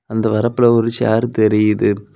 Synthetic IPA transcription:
ɐnd̪ɐʋɐɾɐpːɯlɐɔɾɯt͡ʃa̰ːɾɯt̪ɛɾɪjɪðɯ

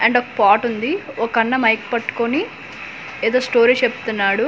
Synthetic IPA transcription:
ɐɳɖokɐ̥paːʈund̪iokɐnːɐmɐjkpɐʈu̥koni | eːd̪oːsʈo̞ːɾit͡ʃepu̥t̪unːaːɽu

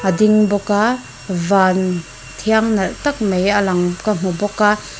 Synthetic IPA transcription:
ʔəd̪ɪŋbɔka | vaːn | t̪ʰiaŋnɐlt̪ɐk̚mejalɐŋkam̥ubɔka

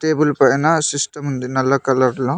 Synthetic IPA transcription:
ʈeːbulpɐjnasisʈɐmɦund̪inɐlːakɐlɐɾlõ

